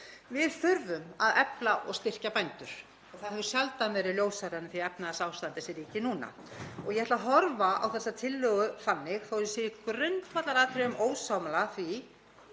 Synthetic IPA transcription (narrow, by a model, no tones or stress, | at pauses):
vɪðfʏɾvʏmaðɛplaʔɔɣst̪ɪr̥capajnt̪ʏɾ̥ | ɔɣθaðɦɛvʏ̥sjalt̪anvɛɾɪljoːwsaɾanːɪθiɛpnaðasaːwst̪ant̪ɪsɛɾiːcɪnuːna̰ | ɔɣjɛhɛt̪laɦɔɾvaa̰wθɛsːat̪ʰɪlːœːɣʏfanːɪɣθowsɪːɪkɾʏnt̪vat̪laɾaːt̪ɾɪʏmʔoːwsawmalaθvi